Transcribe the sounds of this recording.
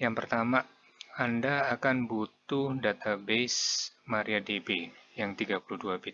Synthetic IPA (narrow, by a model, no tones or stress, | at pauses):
jaŋpərt̪ama | andaːkanbut̪uhdat̪ʰabesmaɾiadebejaŋt̪iɡapuluduabit̪